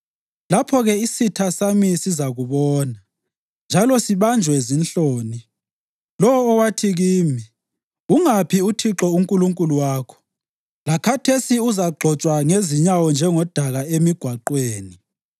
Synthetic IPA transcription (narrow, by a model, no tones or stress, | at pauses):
lapʰɔɣɛisitʰasamisizaɣuβɔːna | nd͡ʒʱalɔsiβand͡ʒʱwɛzinɬoːni | lɔwɔːwatʰiɣiːmi | uŋapʰiutʰiǁɔuŋkʼuluŋkʼuluwaːkʰɔ̥ | lakʰatʰesiuzaɡ͡ǃʱɔt͡ʃʼwaŋeziɲawɔnd͡ʒʱɛŋɔd̥ʱaɣaemiɡ̥ʱwaǃweːni